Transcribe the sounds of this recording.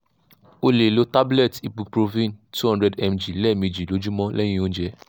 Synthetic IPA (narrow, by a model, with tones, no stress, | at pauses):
o˧le˨lo˨˦ta˦blɛ˦˨ti˨bu˧pɾo˧vĩ˦˨ntu˦hɔ̃˦ndɾɛ˧dɛ˧md͡ʒi˨lɛ˦˨mĩ˧d͡ʒi˨lo˨˦d͡ʒu˦mɔ̃˦lʔɛ˦j̃ĩ˦õ˦n̩˦d͡ʒɛ˧˦